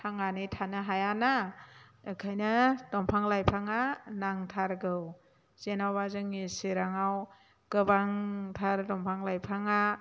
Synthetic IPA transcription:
tʰaŋanɯjtʰanɯɦajana | ɯkʰajnɯdɔmpʰaŋlajpʰaŋanaŋtʰaɾɡɯw | z̥enawbazɯŋeseɾaŋaw | kɯbaŋtʰaɾdɔmpʰaŋlajpʰaŋa

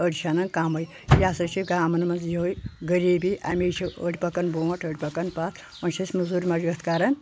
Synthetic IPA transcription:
əɽʲit͡ʃʰanɐnkamɐj | jaːsɐt͡ʃʰiɡaːmɐnmɐnzjiojɡəɾiːbiʔa̰mʲit͡ʃʰiəɽʲipɐkɐnboːʈʰəɽʲipɐkɐnpat̪ʰ | ɐnt͡ʃʰɐsʲmɐzuɾʲmɐd͡ʒiɡɐt̪ʰkaːɾɐn

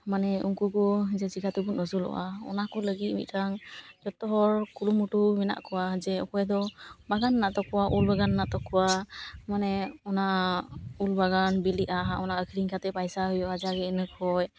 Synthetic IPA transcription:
manɛuŋkukɔd͡ʒɛsikat̪ubunɔsulɔ̰ʔa̰ɔ̰nakɔləɡit̪̚mḭt̪̚tʰaŋd͡ʒɔt̪ːɔɦɔɹkulumuʈumɛna̰ʔkɔwad͡ʒɛɔ̰kɔjɛd̪ɔbaɡanːaʔt̪ɔkɔwaʔulbaɡanːat̪ɔkʰːɔwamanɛɔna | ulbaɡanbiliʔaɦaʔɔnaəkʰiɾiŋkʰat̪ɛpajsaɦɔjɔʔad͡ʒaɡɛnəkʰɔj

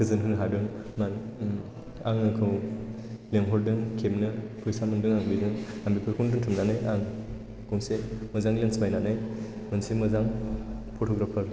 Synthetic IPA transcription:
kʰɯzɯnɦɯŋɦadɯŋman | aŋakʰɯw | leŋɦɔɾdɯŋkʰemnɯpʰɯjsamɯndɯŋaŋbidɯŋambipʰɯɾkʰɔndɯŋtʰɯmnanajaŋ | kuŋsemɯzaŋlensbajnanaj | mɯnsemɯzaŋpʰɔtʰɔɡɾapʰɐɾ

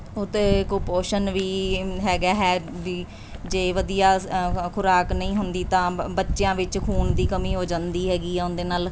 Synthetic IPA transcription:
ʊt̪ːeːkoːpoːʃənʋiːɦɛːɡaːɦɛːbiː | d͡ʒeːʋəd̪ijaːkʰʊɾaːknəĩːɦʊnd̪iːt̪ãːbətːʃɪjãːʋɪt͡ʃkʰuːnd̪iːkəmĩːɦoːd͡ʒãːnd̪iːɦɛːɡiːɛːʊnd̪eːnaːl

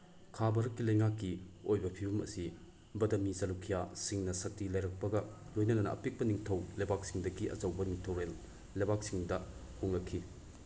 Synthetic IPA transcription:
kʰabɐɾɐkːilɐjŋakːiojbɐpʰibɐmɐ̰si | bɐdɐmizɐlukʰijasiŋnɐsɐtːilɐjɾɐk̚pɐɡɐ | lojnɐnɐnɐ̰ʔɐ̰pek̚pɐniŋtʰɐwlɐjbak̚siŋdɐɡiʔɐ̰zɐwbɐniŋtʰowɾelː | ɐjbak̚siŋdɐ | huŋnɐkʰːi

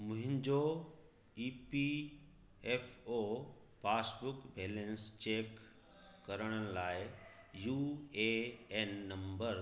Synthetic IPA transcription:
mʊ̃ɦɪ̃ɲd͡ʑo | ipi | epʰo | pʰaːsbʊkbʱeːlẽnst͡ɕeːkː | əɾəɽ̃ənlaːɪ | juːeenːəmbəɾ

